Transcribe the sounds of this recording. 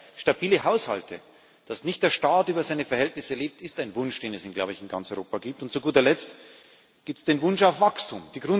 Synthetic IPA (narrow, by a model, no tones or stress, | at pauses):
ʃtabiːləɦaʊsha̰ltʰə̰ | d̥asnɪçt̚d̥eːɐʃtaːtyːbɐzaɪnəfɛɐhɛltnɪsəleːp̚tɪstaɪnvʊnʃd̥eːnɛsɪnɡla̰ʊbəɪçɪnɡa̰nt͡sɔʏʁo̰ːpaɡiːp̚tʊntt͡suɡuːtɐlɛt͡st | ɡ̥iːp̚tsd̥eːnvʊnʃaʊfv̥akstʰṵmd̥iːɡʁʊn